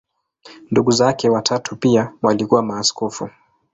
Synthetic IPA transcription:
nduɠuzakɛwatʰatʰupiawalikuwamaːskɔfu

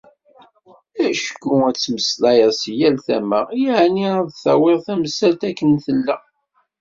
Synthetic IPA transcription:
æʃə̥kːuæt͡sːməslæjəsijælθæməʁjaʕniaðθæwɪʁθæmsælt̪ækːənθəlːæ

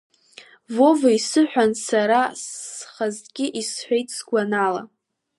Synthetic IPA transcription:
vo̞vaisɨħʷᶣansaɾasχazɡʲɪʔisħʷᶣe̞jtʰʼsɡʷanala̰

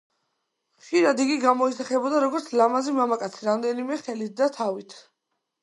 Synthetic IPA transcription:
χʃiɾad̪iɡiɡamɔisaχɛbɔd̪aɾɔɡɔɾt̪sʰlamazimamakʼat̪sʰiɾamd̪ɛnimɛχɛlit̪̚ʰd̪at̪ʰavit̪ʰ

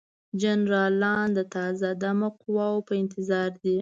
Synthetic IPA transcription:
d͡ʒanɾɑlɑnd̪ət̪ɑzad̪amoqʊwɑwpəɪnt̪ɪzɑɾd̪i

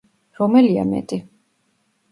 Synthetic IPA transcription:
ɾɔmɛlia̰mɛ̰t̪ʼi

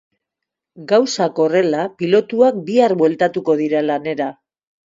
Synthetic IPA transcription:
ɡawsako̞re̞lapilo̞t̪uak̚biarbwe̞lt̪at̪uko̞ðiɾalane̞ɾa

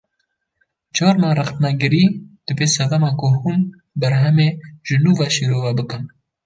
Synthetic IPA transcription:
t͡ʃɑːɾnɑːrɨxt̪nɛɡɨɾiːd̪̥ɨbeːsɛd̪ɛmɑːkʊhuːn | bɛɾɦɛmeːʒ̥ɨnuːvɑːʃiːɾoːvɛbɨkɨn

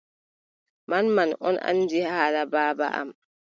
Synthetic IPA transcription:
manmanɔna̰ndihaːlabaːba̰ʔa̰m

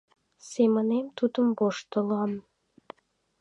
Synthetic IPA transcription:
semənemt̪ud̪əmboʃt̪ə̆lɑm

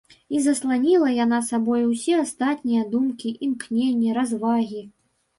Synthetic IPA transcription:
izɐslˠanʲilˠɐjanasabɔjuwsʲɛast̪at̪ʲnʲijɐd̪umkʲiʔimknʲenʲːɛɾazvaɣʲi

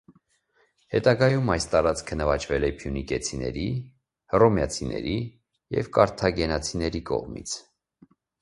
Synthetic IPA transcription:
hɛt̪ɑɡɑjumɑjst̪ɑɾɑt͡skʰənəvɑt͡ʃʰvɛlɛpʰjunikɛt͡sʰinɛ̰ɾi | hrɔmjɑt͡sʰinɛ̰ɾi | jɛ̰vkɑɾt̪ʰɑɡɛnɑt͡sʰinɛɾikɔ̰ʁmḭt͡sʰ

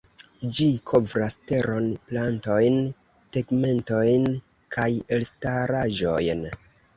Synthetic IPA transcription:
d͡ʒikʰo̞vɾaste̞ɾo̞nplanto̞jn | teɡme̞nto̞jn | kʰajelstaɾaʒo̞̰jn

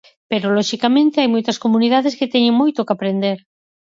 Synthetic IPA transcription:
peɾolɔʃikamẽnt̪eajmojt̪askomuniðaðesket̪eɲeŋmojt̪okapɾend̪eɾ

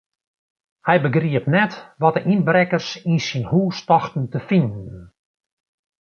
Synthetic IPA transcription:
hɛjbəɡriəpnɛtʋɔt̚əʔinbrɛkərsinsinhuːstɔxtn̩təfindn

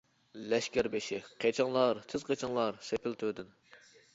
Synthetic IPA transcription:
lɛʃkʲɛɾbeʃɪqʰet͡ʃʰɪŋlˠɑɾt̪ʰɪz̥qʰet͡ʃʰɪŋlˠɑɾsepʰɪlt̪ʰød̪ɪn

